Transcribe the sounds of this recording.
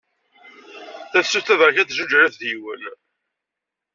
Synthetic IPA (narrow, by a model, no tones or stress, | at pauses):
θæθsːuθæðʁçæθʒud͡ʒæɾæθðwə̰n